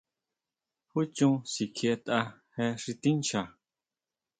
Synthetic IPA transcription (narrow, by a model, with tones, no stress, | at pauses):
hu˦t͡ʃũ˦si˨kʰe˦˧t̪ʼa˦hɛ˦˧ʂi˧t̪ĩ˦nt͡ʃa˨